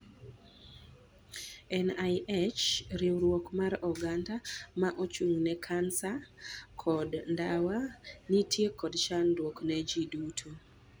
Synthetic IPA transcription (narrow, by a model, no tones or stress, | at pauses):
ɛnajʔɛt͡ʃɾiwɾwɔkmaɾɔɡandamaʔot͡ʃuŋnɛkʰansakʰɔdndawanitʰjekɔdt͡ʃandwoknɛd͡ʒidutʰu